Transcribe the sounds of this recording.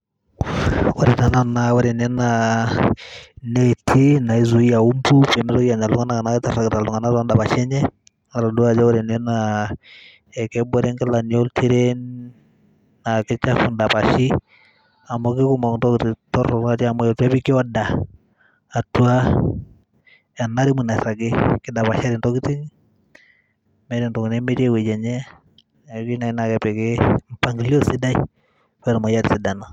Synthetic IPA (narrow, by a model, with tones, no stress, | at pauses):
wɔɾɛ˨ta˨na˨nawa˦ɾɛ˨nɛ˦na | netʰi˦na˨i˨zu˨i˦ja˨u˦mbu˦pɛ˨mɛ˦sɔ˦kija˨ɲa˨lu˦ŋa˦na˦ka˨na˦kta˨ɾa˨kta˨lu˨ŋa˨na˦tɔ˦nda˨pa˨ʃɛ˦ɲɛ˦ | na˨ɾa˨du˦ad͡ʒa˦wɔ˦ɾɛ˨nɛ˦na | ɛ˨kɛ˦bɔ˦ɾɛ˦ŋka˦la˨nio˦ltʰi˦ɾɛ˦n | a˨kɛ˦t͡ʃa˦fu˨nda˨pa˨ʃi˦ | a˨mo˨kɪ˦ku˦mɔ˨kntɔ˦ktitɔ˦ɾɔ˨a˦ti˦a˨mɔ˦jo˨ta˦pi˦kɪ˦a˦daː˨ | tu˦a˦ | a˨na˦ɾi˦mu˨na˨sa˨ɡɪ˦kɪ˦da˨pa˨ʃa˦ɾi˨ntɔ˦ki˦ti˦ŋ | mɛ˦ɾi˨ntɔ˨knɛ˦me˦ti˦e˦we˨d͡ʒɛ˨ɲɛ˦˨ | ki˦na˨i˦na˨kɛ˨pɛ˨kɪ˦mpa˨ŋɡi˦li˦o˦si˦da˦j | wɛ˦ɾmɔ˨ja˦ti˨si˨da˨na˨